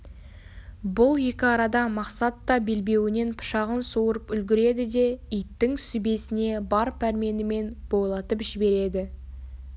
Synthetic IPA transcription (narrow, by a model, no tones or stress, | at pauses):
bʊlˠje̞kʲɪɑɾɑd̪ɑmɑqsɑt̪ːɑbe̞lbe̞wɪne̞npʰʊ̥ʃɑʁənsuwəɾəpʏlɡʲɪɾe̞d̪ɪd̪e̞ijp̚t̪ɪŋsʏbe̞sɪne̞bɑɾpʰæɾme̞nɪme̞nb̥o̞jlˠɑt̪əpʒɪbe̞ɾe̞d̪ɪ